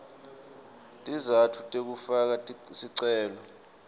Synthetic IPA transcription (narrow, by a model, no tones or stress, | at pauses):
tʼizatʰutʼek̬ufak̬asiǀɛːlɔ